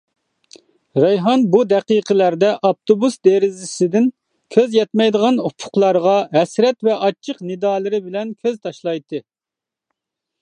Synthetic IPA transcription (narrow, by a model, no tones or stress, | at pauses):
ɾɑjɦɑnbud̪ɛqiqʰəlæɾd̪ɛʔɑp̚t̪ʰobusd̪eɾɪzɪsɪd̪ɪn | kʲʰøzjɛt̪mɛjd̪əʁɑnupʰʊ̥qlˠɑɾʁɑɦɛsɾɛt̪vɛʔɑt͡ʃʰːəqnɪd̪ɑːlˠɨɾɪbɪlɛnkʲʰøzt̪ʰɑʃlˠɑjt̪ʰːɨ